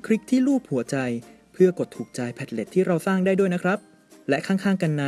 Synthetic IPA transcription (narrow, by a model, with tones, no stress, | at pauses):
kʰɾi˦˥k̚t̪ʰiː˥˩luː˥˩p̚hu˩˦ɐt͡ɕa˧j | pʰɯ˥˩ɐko˨˩t̪ʰːuː˨˩k̚t͡ɕa˧jpʰɛ˨˩t̪̚le˨˩t̪ʰːiː˥˩ɾa˧wsaː˥˩ŋdaː˥˩du˥˩əjna˦˥kʰɾa˦˥p̚ | lɛ˦˥ʔkʰaː˥˩ŋkʰaː˥˩ŋka˧nːa˧